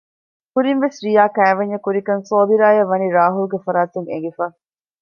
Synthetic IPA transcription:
kuɾinʋesɾijaːkæːʋɐɲːɐkuɾikɐnsoːbiɾaːjɐʋɐniɾaːɦulɡefɐɾaːt̪uŋḛŋ̆ɡifaː

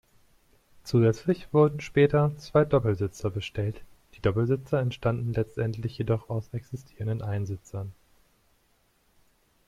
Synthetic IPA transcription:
t͡suːzɛt͡slɪçv̥ʊɐdn̩ʃpɛːtɐt͡sv̥aɪdɔpl̩zɪt͡sɐbəʃtʰɛlt | d̥iːdɔpl̩zɪt͡sɐɛntʃtandn̩lɛt͡stʔɛntlɪçjedɔχaʊsʔɛksɪstʰiːʁəndənʔaɪnzɪt͡sɐn

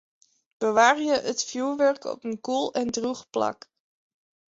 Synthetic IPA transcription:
b̥əʋaːrjəʔətfjuːɹʋɛɹkɔ̰pənkulˠɛndruχplɑ̰k

